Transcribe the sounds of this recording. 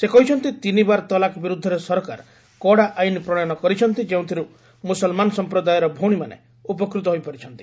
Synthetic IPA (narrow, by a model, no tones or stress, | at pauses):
sekɔɦit͡ʃʰɔnt̪it̪inibaɾt̪ɔlakɔbiɾud̪ʱːɔɾesɔɾka̰ɾ | kɔɽaʔajnipɾɔɽɔjɔnɔkɔɾit͡ʃʰɔnt̪id͡ʒeũt̪ʰiɾu | musɔlmanɔsɔmpɾɔd̪ajɔɾɔbʱoɽ̃imanḛ | up̬ɔkɾut̪ɔɦojpɔɾit͡ʃʰɔnt̪i̥